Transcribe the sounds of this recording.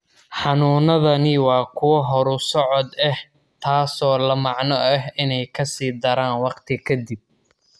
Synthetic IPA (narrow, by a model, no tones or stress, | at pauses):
ħɑnuːnɐðɐnɪwɑːkʰʊwɐɦɔɾʊsɔʕɔd̪ɛh | t̪ʰaːsɔːlɐmɑʕnɔʔɛɦɪnɛjkʰɐsiːd̪ɐɾaːnwɑqt̪ʰɪkʰɐd̪ɪb̚